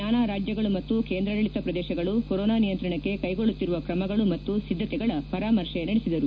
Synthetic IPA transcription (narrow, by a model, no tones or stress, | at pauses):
aːnaːɾaːd͡ʒjɐɡɐɭumɐt̪ːukeːnd̪ɾɐd̪ɐɭit̪ɐpɾɐd̪ɛːʃɐɡɐɭukoɾɔːnaːnijɐnt̪ɾɐɳɐkːe̞kɐjɡo̞ɭːut̪ːiɾuʋɐkɾɐmɐɡɐɭumɐt̪ːusid̪ʱːɐt̪ɛɡɐɭɐpɐɾaːmɐɾʂenɐɽisid̪ɐɾu